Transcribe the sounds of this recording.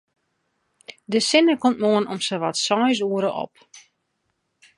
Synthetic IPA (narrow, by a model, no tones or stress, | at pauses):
dəsɪnəkomt̚moənɔmsəʋɔtsɔjs̬uəɾəʔɔ̰p̚